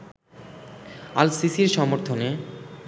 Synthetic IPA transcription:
alsisiɾʃɔmoɾt̪ʰone

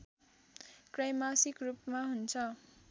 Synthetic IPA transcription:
krajmasikrupmaɦunt͡sʰʌ

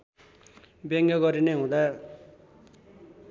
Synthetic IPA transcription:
beŋɡʌɡʌɾineɦũd̪a

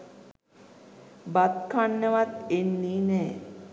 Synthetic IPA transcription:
bat̪kʰanːəʋat̪enːiːnɛː

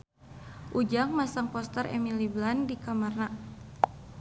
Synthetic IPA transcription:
ʔud͡ʒaŋmasaŋpɔst̪ərḛmiliblandikamarna

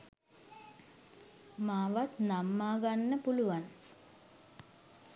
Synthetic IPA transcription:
maːʋat̪namːaːɡanːəpuluʋan

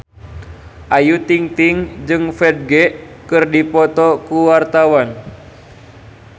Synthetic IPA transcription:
ʔajut̪iŋt̪iŋd͡ʒɨŋfɛd̚ɡɛʔ | kɨrdipɔt̪ɔkuwart̪awan

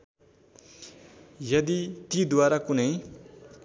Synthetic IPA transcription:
jʌd̪it̪id̪waɾakunʌj

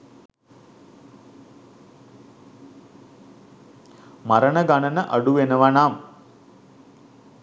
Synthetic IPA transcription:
maɾəɳəɡaɳənəʔɐɖuʋenəʋanaːm

